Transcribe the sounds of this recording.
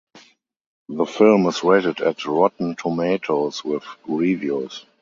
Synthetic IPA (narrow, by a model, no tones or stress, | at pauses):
ðəfɪlmɪsweɪtədɛtɹɔtn̩tʰomeɪtʰoʊswɪθɹivjus